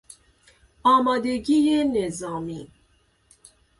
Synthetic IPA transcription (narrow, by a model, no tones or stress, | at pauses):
ɑːmad̪eɡijenezɑːmi